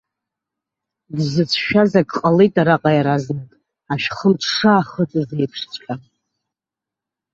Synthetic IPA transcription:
dzɨt͡sʷʰʃᶣazakʼqʼalejtʼaɾaqʼajaɾaznɨkʼ | aʃᶣχəmtʰʂaːχət͡sʼzejpʰʂt͡sʷʼkʲʼa

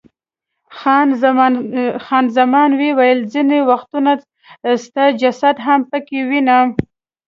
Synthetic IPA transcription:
xɑn | xɑnzamɑnwewajəlzinewaxt̪una | st̪ad͡ʒasad̪ɦampəkewina

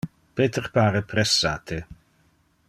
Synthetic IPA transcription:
pet̪ʰərpʰaːɾəpʰrɛsːaːt̪ʰe

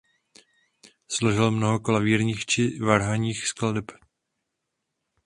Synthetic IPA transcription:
sloʒɪlmnoɦokolaviːɾɲiːxt͡ʃɪvaɾɦaɲiːxskladɛp

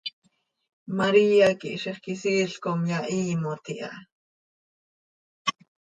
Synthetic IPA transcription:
maɾiːakiʔʃiχkisiːɬkomjaʔiːmot̪iʔɑ̰

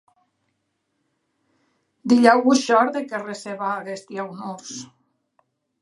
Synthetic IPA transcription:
d̪iʎawɣuʃɔɾðekereseβaːɣest̪iawnos

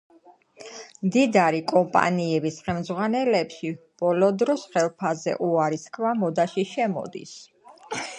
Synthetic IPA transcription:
md̪id̪aɾikʼɔmpʼa̰niɛbisχɛmd̪zʁwanɛlɛpʃi | b̥ɔlɔd̪ɾɔsχɛlˠpʰazɛ̰ʔuaɾiskʰvamɔd̪aʃiʃɛmɔ̰d̪ḭs

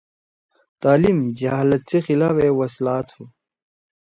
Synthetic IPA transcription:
t̪aːlimd͡ʑɐɦalɐt̪̚t͡sexilaːfewɐslaːt̪hu

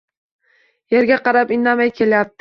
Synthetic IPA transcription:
je̞ɾɡʲaqɑɾapɪnːamajkʲʰe̞lajap̚d̪ɪ

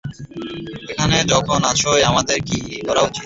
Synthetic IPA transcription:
ekʰaned͡ʑɔkʰonaʃʰojamad̪eɾkikɔɾaot͡ɕit̪

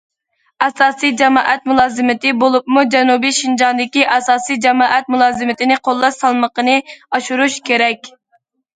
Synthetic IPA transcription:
ɛsɑːsijd͡ʒɛmɑ̰ːʔɛt̪̚mulˠɑːzɨmɪt̪ɪbolˠupmud͡ʒɛnubijʃind͡ʒɑnd̪ɪkʲiʔɛsɑːsijd͡ʒɛmɑːʔɛt̪̚mulˠɑːzɨmɪt̪ɪnɪqʰolˠːɑʃsɑlˠməqənɨɑʃuɾuʃkʲʰeɾɛkʲ

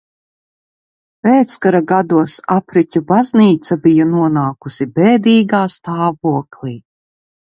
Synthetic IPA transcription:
pɛːt̪skaɾaɡad̪uɔsapɾicʲubazniːt̪sabijanuɔnaːkusibɛːd̪iːɡaːst̪aːvuɔklʲiː

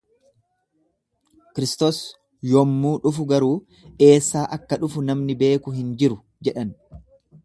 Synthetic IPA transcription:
kɪɾɪst̪oːs | jɔmːuːᶑʊfʊɡɐɾuː | ʔe̞ːsːaːʔɐkːɐᶑʊfʊnɐmnɪbe̞ːkʊɦɪnd͡ʒɪɾʊ | d͡ʒɛᶑɐn

